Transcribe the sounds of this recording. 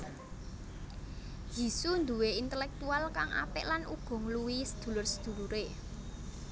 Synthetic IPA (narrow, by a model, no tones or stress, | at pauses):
ji̤sund̪uweint̪ɛlɛk̚t̪ualkaŋa̰pɪʔlanuɡ̥ɔ̤ŋluwisə̥d̪̥ṳlʊrsəd̪̥ṳluɾe